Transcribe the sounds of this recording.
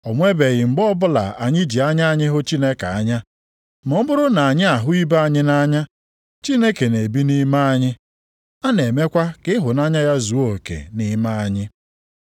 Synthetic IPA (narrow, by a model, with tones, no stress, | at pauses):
ɔ˨ŋʷe˦be˨ɣɪ˨ŋ͡m̩˨ɡ͡bɔ˦bʊ˦la̰˨a˨ɲɪ˦d͡ʒi˨a˦ɲa˦a˦ɲɪ˦ɦʊ˦t͡ʃi˦ne˦ka˨a˦ɲa˦ | mɔ˦m̩˦bʊ˦ɾʊ˦na˨a˨ɲɪ˦a˨ɦʊ˦i˦ba˦a˦˨ɲɪ˦na˦ɲa˦ | t͡ʃi˦ne˦ke˨ne˨bi˦ni˦ma˦a˦ɲɪ˦ | a˦ne˨me˦kʷa˦kɪ˦ɦʊ˨na˦ɲa˦ja˦zu˨˦o˨kḛ˨ni˦ma˦a˦ɲɪ˦